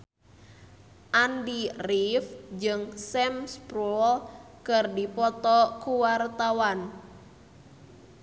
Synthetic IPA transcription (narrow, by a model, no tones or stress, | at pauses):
ʔandirifd͡ʒɨŋsɛmspɾul | kɨrdipɔt̪ɔkuwart̪awan